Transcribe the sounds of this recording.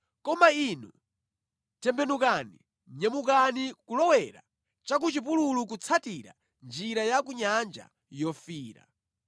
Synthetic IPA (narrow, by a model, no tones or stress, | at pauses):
kɔmainu | tɛmbɛnukani | ɲɛmukanikulɔwɛɾa̰ | t͡ʃak̬ut͡ʃip̬ululuk̬ut͡sʰatiɾa̰ | nd͡ʒiɾajakuɲand͡ʒa̰ | jɔfiːɾa̰